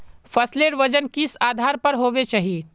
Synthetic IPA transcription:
fɐsleːɾʋɐd͡ʒənkɪsaːd̪ʱaːɾpɐɾɦoːʋet͡ʃaːɦie

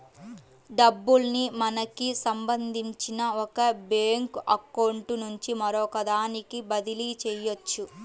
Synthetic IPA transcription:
ɖɐbːulnimɐnɐkisɐmbɐnd̪ʱiɲt͡ʃinɐɔkɐbeːŋkɐkɐwɳʈnuɲt͡ʃimɐɾɔkɐd̪aːnikibɐd̪ilit͡ʃɛjot͡ʃːu

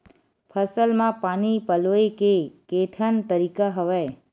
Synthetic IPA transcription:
pʰəsəlmãpanipəloekekeʈʰənt̪əɾikaɦəʋaj

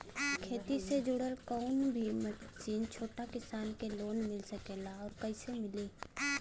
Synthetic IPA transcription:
kʰeːt̪ised͡ʒʊɽəɾkɔːnbʱimət͡ʃiːnt͡ʃʰoːʈakɪsaːnkeloːnmɪlsəkeːlaɔːɾkɐɪsemɪliː

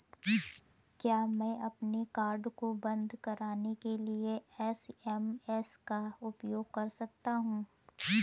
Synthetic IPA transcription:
kjaːmɛ̃ːʔɐpnekaːɾɖkobɐ̃nd̪ʱkɐɾaːnekelie | ɛsɛmɛskaʊpjoːɡ̚kɐɾsɐk̚t̪aɦũː

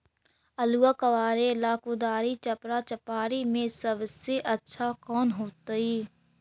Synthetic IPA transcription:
əluːakəʋaːɾelaːkuːd̪aːɾit͡ʃəpɾat͡ʃəpaːɾimẽsəbseʔətːʃʰakɔːnɦoːt̪aiː

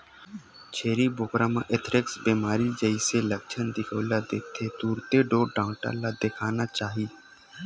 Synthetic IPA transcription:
t͡ʃʰeːɾibʊkɾamə̃ʔɪt̪ʰɾɪksbiːmaːɾid͡ʒəiseləkt͡ʃʰənd̪ɪkʰəːlad̪eːkt̪ʰet̪uːɾt̪eɖoːɖãːʈa̰lad̪ɪkʰaːnat͡ʃaːɦiː

